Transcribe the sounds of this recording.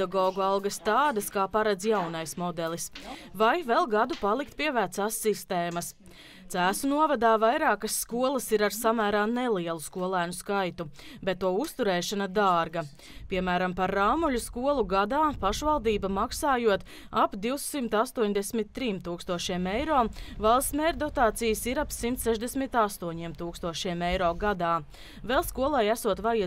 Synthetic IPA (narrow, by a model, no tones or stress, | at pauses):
aɡɔːɡualˠɡɐst̪aːd̪ɐskaːpaɾad̪zjawnajsmɔd̪ɛlˠisvajvɛlˠɡad̪upalˠik̚t̪̚piɛvæːt̪saːsːist̪eːmɐs | t̪sæːsunuɔvad̪aːvajɾaːkɐsːkuɔlˠɐsiɾaɾsamæːɾaːnɛlˠiɛlˠuskuɔlˠæːnuskajt̪ubɛt̪ːuɔust̪uɾɛːʃanad̪aːɾɡɐ | piɛmæːɾampaɾːaːmuʎʲuskuɔlˠuɡad̪aːpaʃvalˠd̪iːbɐmaksaːjuɔt̪ | apd̪iwsimt̪ast̪uɔɲd̪ɛsmit̪ːɾiːmt̪uːkst̪uɔʃiɛmejɾɔːmvalˠst̪mɛɾd̪ɔt̪aːt̪sijəsiɾapsimt̪sɛʒd̪esmit̪ast̪uɔɲiɛmt̪uːkst̪uɔʃiɛmɛjɾɔːɡad̪aː | vɛlˠskuɔlˠajæsuɔt̪ʋaja